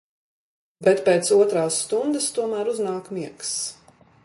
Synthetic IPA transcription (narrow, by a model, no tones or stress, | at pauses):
bɛt̪peːt̪suɔt̪ɾaːsːt̪und̪əst̪uɔmæːɾuznaːkmiɛks